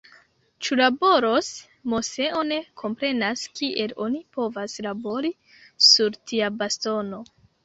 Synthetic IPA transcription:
t͡ʃulabo̞ɾo̞s | mo̞se̞o̞ne̞kʰo̞mpɾe̞naskiʔe̞lo̞nipo̞vaslabo̞ɾi | suɾtiabasto̞no̞

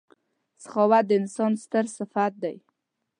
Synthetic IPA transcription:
sχɑwad̪əɪnsɑnst̪əɾsɪfat̪̚d̪aj

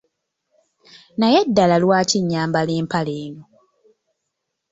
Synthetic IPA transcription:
najedːalalwaːciɲːaːmbaleːmpaleːno

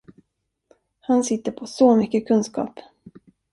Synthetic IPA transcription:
hansɪt̪ːəɾpʰɔsomʏkːəkʰɵnskɑ̰ːp

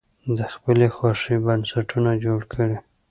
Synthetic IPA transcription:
d̪əxpəlexwɑʂibansaʈʰunad͡ʒoɽkʰəɽi

